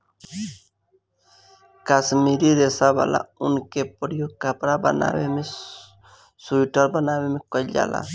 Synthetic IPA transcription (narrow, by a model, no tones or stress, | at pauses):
kasmiɾiɾesaba̰la̰unkepɔɽijokapɾabana̰weme | suiʈəɾbanawemekɔʎa̰la̰